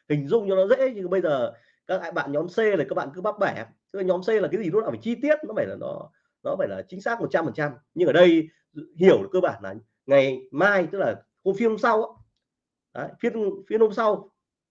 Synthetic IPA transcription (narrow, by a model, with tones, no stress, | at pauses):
hï˨˩ŋ̟zʊ̰˧˨ŋ͡mt͡ɕɔ˧nɔ˨˦zḛ˧˥ɲ˧˨˩ɓə˧jzəː˨˩ | kaː˦˥k̚a̰ː˧˨jɓa̰ː˧˨nɲɔ˨˦mse˧laː˨˩kaː˦˧k̚ɓa̰ː˧˨kɨ˧˦ɓa˦˥p̚ɓaː˧˩a˨˧t̪ɨ˦˥k̚la˨ɲɔ˨˦mse˧la˨˩kaː˨˦zi˨˩tu˨˦a̰ː˧˨˩faː˧˩t͡ɕi˧t̪i˦˥ət̚nɔ˨˦faː˧˩jlaː˨˩nɔ̰˨˦ | nɔ˨˦faː˧˩jlaː˨˩t͡ɕï˨˦ŋ̟saː˦˥k̚mo˨˩t̚t͡ɕa˧mfəː˨˩nt͡ɕa˧m | ɲɨ˧ŋʔəː˧˩ɗə˧j | hi˨˩əwlɨː˨˩kəː˧ɓaː˧˩nlaː˨˩ | ŋa˨˩jmaː˧jt̪ɨ˦˥k̚laː˨˩ | ho˧fi˧ənho˧ŋ͡msa˧wʔaː˦ | ʔaː˨˦fi˧ənfi˧ənho˧mŋ͡msa˧w